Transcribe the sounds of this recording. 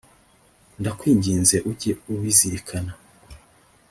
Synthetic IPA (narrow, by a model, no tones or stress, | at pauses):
ndakwiːɲɟiːnze̞ʔuɟeuwiziɾikʰana